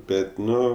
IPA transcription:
ˈbʲɛt ˈnʊ

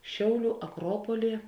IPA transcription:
ˈʃʲɛʊˌlʲuː ɐˈkroːpoːlʲiː

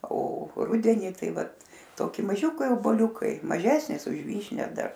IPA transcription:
oː ˈrʊdʲɛnʲɪ ˈtɐɪ ˈʋɐt ˈtoːkʲɪ mɐˈʒʲʊkɐɪ oːboːˈlʲʊkɐɪ mɐˈʒʲæːsʲnʲɪs ʊʃ ˈʋʲiːʃʲnʲɛ ˈdɐr

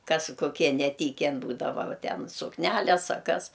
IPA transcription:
ˈkɐs koːˈkʲiɛ nʲɛˈtʲiːkʲɛn ˈbuːdɐʋɐ ˈʋɐ ˈtʲɛn sʊkˈnʲælʲɛs ɐ ˈkɐs

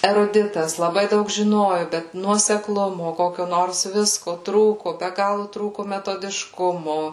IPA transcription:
ɛrʊˈdʲɪtɐs lˠɐˈbɐɪ ˈdɐʊk ʒʲɪˈnoːjʊ bʲɛt nuɔsʲɛkˈlˠʊmʊ ˈkoːkʲoː ˈnoːrs ˈʋʲɪskoː ˈtruːkʊ bʲɛ ˈɡɑːlˠʊ ˈtruːkʊ mʲɛtoːdʲɪʃˈkʊmoː

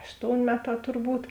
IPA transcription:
ˈɑːʃtoːʊnʲ ˈmʲæːˌtɑː tʊrˈbuːt

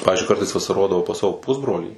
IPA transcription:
ˈpɑːʋʲɪzʲd͡ʒʲʊɪ ˈkɐrtɐɪs ʋɐsɐˈroːdɐʋɐʊ pɐs ˈsɑːʋoː ˈpʊzbroːlʲiː

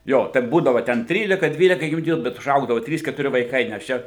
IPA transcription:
ˈjoː tʲɛn ˈbuːdɐʋoː tʲɛn ˈtʲrʲiːlʲɪkɐ ˈdʲʋʲiːlʲɛkɐ juːˈdʲiɛjʊ bʲɛt ʊˈʒɐʊɡdɐʋoː ˈtʲrʲiːs kʲɛtʊˈrʲɪ ʋɐɪˈkɐɪ nʲɛs ˈt͡ʃʲɛ

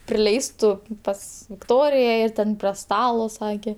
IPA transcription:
pʲrʲɪˈlʲɛɪstʊ ˈpɐs ʋʲɪkˈtoːrʲɪjɛ ɪr ˈtʲɛn pʲrʲiɛ ˈstɑːlˠoː ˈsɑːkʲeː

